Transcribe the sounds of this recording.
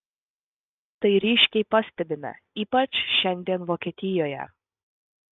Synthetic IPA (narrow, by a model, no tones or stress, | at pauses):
t̪ɐɪɾʲiːʃʲkʲɛɪpɐsʲt̪ʲɛbʲɪmʲɐ̰ | iːpɐt͡ʃʃʲɛnʲd̪ʲiɛnʋoːkʲiɛt̪ʲɪjoːjɛ̰